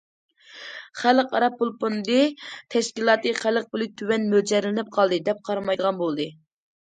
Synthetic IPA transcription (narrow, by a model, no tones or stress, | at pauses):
χæləqɑɾɑpːulˠpond̪ɨt̪ʰɛʃkʲilˠɑːt̪ɨχæləq̚bɪlɪt̪ʰywɛnmød͡ʒɛɾlɪnɪp̚qʰɑlˠd̪ɨd̪ɛp̚qʰɑɾɑmɑjd̪əʁɑnbolˠd̪ɨ